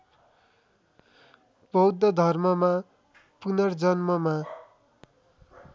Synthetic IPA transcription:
bʌwd̪ʱːʌd̪ʱʌrmʌma | punʌrd͡zʌnmʌma

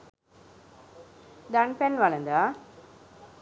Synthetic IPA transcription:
d̪ɐɳpɛnʋɐlɐnd̪a

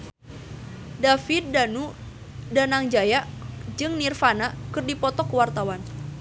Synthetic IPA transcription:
dafit̪̚danu | danaŋd͡ʒajaʔd͡ʒɨŋnirfanakɨrdipɔt̪ɔkəwart̪awan

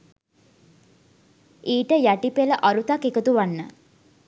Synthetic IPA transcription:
iːʈəjæʈipeləʔaɾut̪akekət̪uʋanːə̰

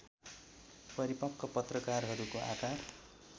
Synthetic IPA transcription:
pʌɾipʌkʰːʌpʌt̪rʌkarɦʌɾukoʔakar

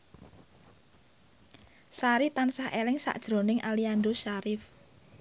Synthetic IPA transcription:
saɾit̪ansahʔelɪŋsa̰ʔd̥ʒ̥ɾo̤nɪŋʔaliandoʃaɾɪf

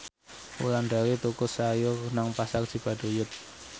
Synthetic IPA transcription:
ṵlanɖawit̪ukʊsːajʊnaŋpasakʒ̥i̤b̥a̤d̥o̤jʊt̪̚

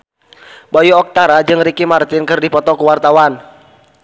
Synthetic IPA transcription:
bɔjuɔk̚t̪aɾad͡ʒɨŋɾikimart̪ɪnkɨrdipɔt̪ɔkuwart̪awan

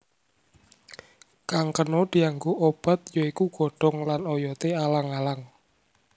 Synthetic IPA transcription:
kaŋkənod̪̥i̤aŋɡoʔob̥a̤t̪̚joikuɡ̥ɔ̤ɖ̥ɔ̤ŋlanojɔt̪ealaŋalaŋ

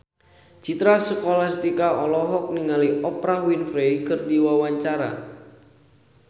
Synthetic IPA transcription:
t͡ʃit̪ɾasəkolast̪ikaɔlɔɦɔk̚niŋaliʔɔpɾahwinfɾejkɨrdiwawaɲt͡ʃaɾa̰

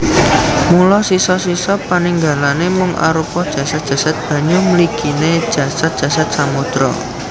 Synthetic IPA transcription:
mulɔsisɔsisɔpaniŋɡa̤lanemʊŋʔa̰ɾupɔd̥ʒ̥ä̤sat̪̚dʒ̥ä̤sat̪̚b̥ä̤ɲuməliɡ̥ined̥ʒ̥a̤sat̪̚d̥ʒ̥ä̤sat̪̚samud̪̥ɾɔ̰

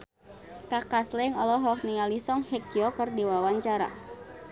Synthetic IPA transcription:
kakaslɛŋɔlɔɦɔkniŋalisɔŋhɛkiɔkərdiwawaɲt͡ʃaɾa̰

